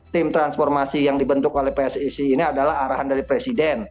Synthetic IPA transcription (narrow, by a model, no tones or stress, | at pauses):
t̪ɪmt̪ɾansfɔrmasijaŋdibənt̪ʊkolɛhpeɛsisiːniadalaɦaɾaɦandaɾipɾesidɛn